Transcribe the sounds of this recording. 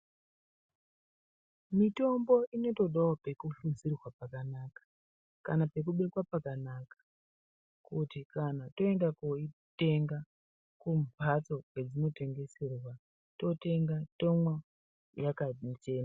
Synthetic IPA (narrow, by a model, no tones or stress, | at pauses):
mito̞mbo̞ʔino̞to̞ɗawope̞kufuzirwapakanakḁ | ka̰nape̞kuɓe̞kwapakanakḁ | kutikanato̞endakoite̞ŋɡa | kumpat͡so̞ɡwe̞d͡zino̞te̞ŋɡe̞se̞rwa | to̞te̞ŋɡatomwa | jakat͡ʃe̞ːna